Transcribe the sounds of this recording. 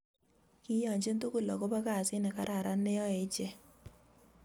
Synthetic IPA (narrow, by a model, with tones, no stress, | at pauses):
kɪ˦jɔ˨ɲd͡ʒe˦nto˦ko˨lɔ˨ko˦pa˦ka˦˨sɪ˦nɛ˨ka˦ɾʔa˨ɾa˦ne˦ɔ˦e˨˦t͡ʃɛ˦